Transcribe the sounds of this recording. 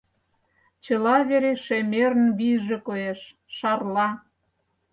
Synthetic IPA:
t͡ɕɤ̆lɑβeɾeʃemeɾənβijʒekojeʃ | ʃɑrlɑ

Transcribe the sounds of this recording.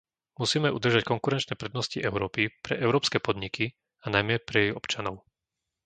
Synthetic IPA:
musiːmɛʔud̪r̩ʒackɔŋkuɾɛnt͡ʃnɛːpɾɛd̪nɔsciʔɛʊɾɔːpipɾɛʔɛʊɾɔːpskɛːpɔd̪ɲiki | anajmɛpɾɛjɛjɔpt͡ʃanɔʊ

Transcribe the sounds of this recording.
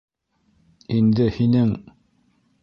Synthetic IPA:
ind̪ɘhinɘŋ

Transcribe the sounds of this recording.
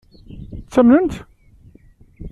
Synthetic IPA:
t͡sːæmnənt̪

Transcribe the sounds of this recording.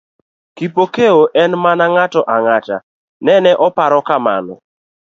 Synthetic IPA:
kipokeoʔɛnmanaŋatɔʔaŋata̰ | nɛnɛʔɔpaɾɔkama̰nɔ̰

